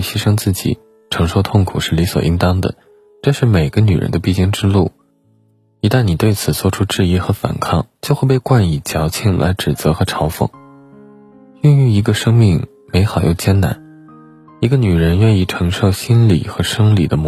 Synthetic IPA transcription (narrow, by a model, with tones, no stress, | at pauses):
ɕi˥ʂɤ˥ŋt͡sɹ̩˥˩t͡ɕḭ˨˩˦ | ʈ͡ʂʰɤ˧˥ŋʂo˥˧ʊt̪ʰʊ˥˩ŋkʰu˨˩ʂɻ̩˥˩li˧˥swɔ̰˨˩ʔi˥ŋt̪ɑ˥ŋd̪ə̰˨ | ʈ͡ʂɤ˥˧ʂɻ̩˥˩me˨˩ɪɡ̥ə˦ny˨˩ɻə̰˧˥nd̪ə˧pi˥˧t͡ɕi˥˩ŋʈ͡ʂɻ̩˥lu˥˩ | i˧˥t̪a˥˩nni˨˩t̪we˥˩ɪt͡sʰɹ̩˨˩t͡swɔ˥˩ʈ͡ʂʰu˥ʈ͡ʂɻ̩˥˧i˥˩xɤ˧˥fa̰˨˩nkʰɑ˥˩ŋt͡ɕjo˥˧ʊxwe˥˧ɪpe˥˧ɪkwa˥˩ni˨˩t͡ɕjɑ˧˥ʊt͡ɕʰi˥˩ŋlʔa̰˧˥ɪʈ͡ʂɻ̩˨˩t͡sɤ˧˥xɤ˧˥ʈ͡ʂʰɑ˧˥ʊfɤ̰˧˩˦ŋ | y˥˧ŋy˥˩i˧˥ɡə˧ʂɤ˥ŋmi˥˩ŋ | me˧˥ɪxɑ˨˩ʊjo̰˥˩ʊt͡ɕjɛ˥˩nna̰˧˥n | i˧˥ɡə˧ny˨˩ɻə˧˥nɥɛ˥˧ni˥˩ʈ͡ʂʰɤ˧˥ŋʂo˥˩ʊɕi˥nlḭ˨˩xɤ˧˥ʂɤ˥ŋlḭ˨˩d̪ə˦m